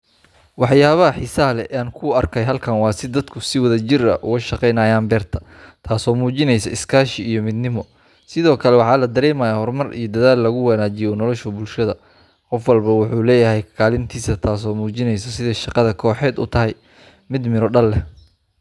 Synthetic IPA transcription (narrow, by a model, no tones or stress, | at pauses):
wɑħjaːβɐɦɐħisɐɦlɛʔaːŋkʰʊɐrkʰɛjɦɐlkʰɐnwɑːsɪd̪ɐd̪kʰʊsɪwɐðɐt͡ʃɪrɐ̰ʔʊɣɐʃɑqɛjnaːjaːmbɛːrt̪ʰɐ̥ | t̪ʰaːsɔːmuːt͡ʃɪnɛjsɐɪskʰaːʃɪijɔmɪd̪nɪmɔ | sɪðɔːkʰɐlɛwɑħɑːlɐd̪ɐɾɛːmaːjaːhɔrmɐrḭjɔd̪ɐðaːlːɐɣʊwɐnaːt͡ʃɪjɔnɔlɔʃʊbʊlʃɐðɐ | qɔfwɐlbɐwʊħuːlɛːjɐɦɛjkʰɐkʰaːlɪnt̪ʰiːsɐt̪ʰaːsɔːmuːt͡ʃɪnɛjsɐsɪðɛjʃɑqɑðɐkʰɔːħɛːd̪ʊ̰t̪ʰɐɦɛj | mɪd̪mɪɾɔɖɐlːɛ